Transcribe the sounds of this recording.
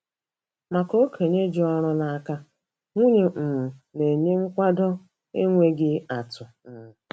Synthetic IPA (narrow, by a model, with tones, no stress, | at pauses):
ma˨ko˦kʰe˨ɲe˦d͡ʒɔ˦ɾʊ˦na˨a˨ka˦ | ŋʷu˦ɲe˨m̩˨m̩˨ne˨ɲe˦ŋ̩˦kʷa˦dɔ˦ | ḛ˦ŋʷe˦ɡɪ˦a˨tʊ˨ | m̩˨